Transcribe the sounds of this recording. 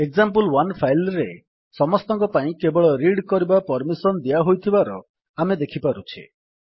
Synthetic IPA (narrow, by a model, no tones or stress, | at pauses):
eɡzampulwanpʰajlɾe | sɔmɔst̪ɔ̃ŋkɔpaĩkebɔɭɔɾiɽkɔɾibapɔɾmisɔnd̪ijaɦojt̪ʰibaɾɔ | amed̪ekʰipaɾut͡ʃʰḭ